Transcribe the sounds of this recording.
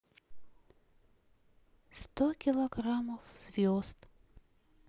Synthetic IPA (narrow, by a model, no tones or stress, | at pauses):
st̪okʲɪlˠɐɡɾaməfz̥vʲozt̪